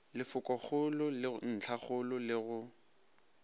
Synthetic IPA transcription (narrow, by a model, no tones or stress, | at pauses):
lɪfʊkʼɔχʊlʊlɪn̩t͡ɬʰaχʊlʊlɪɣʊ